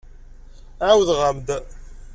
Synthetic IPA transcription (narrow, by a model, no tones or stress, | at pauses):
æwðʁəmd̪